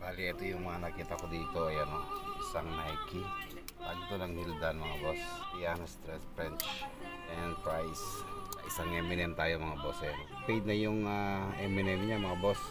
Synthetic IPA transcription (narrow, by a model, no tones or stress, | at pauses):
baːliɛt̪ojʊŋmɐŋanɐkiːt̪ɐkod̪iːt̪o̞ɐjɐnoʔɪsaŋnajki | paːɡit̪onɐŋhild̪anmɐŋabospijanost̪ɾɛspɾɛnt͡ʃ | ɛnpɾajsʔɪsaŋɛmɪnɛmt̪aːjomɐŋabosɛn | pɛjd̪̚nɐjʊŋaʔɛmɪnɛmɲamɐŋabos